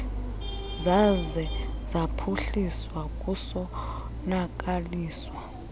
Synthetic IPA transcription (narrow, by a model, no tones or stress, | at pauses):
zazɛzapʰuɬiswakʼusɔnak̬ʼaliːswa